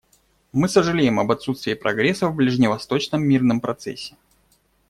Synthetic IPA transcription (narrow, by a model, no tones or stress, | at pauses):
mɨsəʐɨlʲejɪmɐbɐt̪sut̪st̪vʲɪːpɾɐɡɾʲesːəvblʲɪʐnʲɪvɐst̪o̞t͡ɕnəmːʲirnəmpɾɐt̪sɛ̰sʲːɪ̥